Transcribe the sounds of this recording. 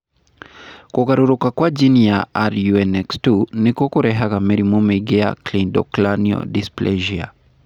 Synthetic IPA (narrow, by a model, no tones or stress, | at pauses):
kukaɾuɾukakwad͡ʒinijaaɾjuɛnɛkstunikukuɾɛɦaɣamɛɾimumiɡɛa̰klindɔ̰klaniɔ̰displʔɛʒia̰